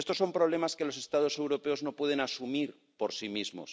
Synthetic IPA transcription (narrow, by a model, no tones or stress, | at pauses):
est̪o̞sːo̞mpɾoβle̞maske̞lo̞s̬e̞st̪að̞o̞se̞wɾo̞pe̞o̞zno̞pwe̞ð̞e̞nasumiɾ | po̞ɾsimizmo̞̰s